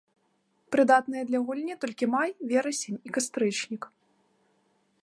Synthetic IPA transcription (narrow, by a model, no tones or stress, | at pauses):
pɾɨd̪at̪nɨjɐd̪lʲɐɣulʲnʲit̪ɔlʲkʲimajvʲɛɾɐsʲenʲikast̪ɾɨt͡ʂnʲik